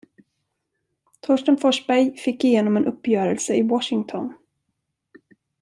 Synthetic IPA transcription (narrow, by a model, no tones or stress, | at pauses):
t̪ʰɔʂʈənfɔʂbæɾjfɪkːɪjeːnɔmɛnʔɵpːjœːɾəlsəɪwɔʂɪŋt̪ʰɔn